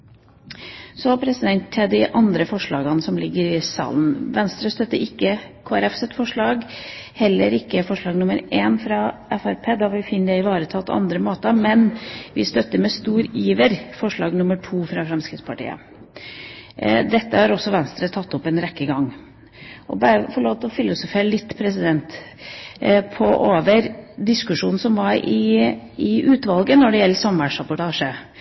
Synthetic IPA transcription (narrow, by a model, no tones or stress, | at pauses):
sɔɑpʰɾɛsɪd̪ɛnt̪ʰːɪld̪ɪʔɑnd̪ɾəfɔʂɭɑːɡɑnsɔmlɪɡːəɾɪsɑ̰ːln̩ʋɛnst̪ɾəst̪œt̪ːəɾɪkːəkʰoːæɾɛfsɛt̪fɔʂɭɑːɡ | hɛlːəɾɪkːəfɔʂɭɑːɡnʊməɾeːnfɾɑʔɛfæɾpʰeːd̪ɑʋɪlfɪnːəd̪ɛɪʋɑːɾət̪ʰɑːpʰɔ̰ʔɑ̰nd̪ɾəmoːt̪əmɛnʋɪst̪œt̪ːəmɛst̪uːɾiːʋəɾfɔʂɭɑːɡnʊməʈʰuːfɾɑfɾɛmskɾɪt̪spʰɑʈḭːə̰ | d̪ɛt̪ːəhɑɾɔsːɔʋɛnst̪ɾət̪ʰɑt̪ːʊpːɛnɾɛkːəɡɑŋ | ʔɔ̰bæɾəfɔɭoːʋt̪lɔfɪlːʊsʊfeːɾlɪt̪ːpʰɾɛsɪd̪ɛnt̪ | pʰɔʔoːʋəɾd̪ɪskʉʂuːnn̩sɔmʋɑɾɪɪʔʉːt̪ʋɑlɡənɔɖɛjɛlːəsɑmʋæʂɾɑpʊʈʰɑːʂə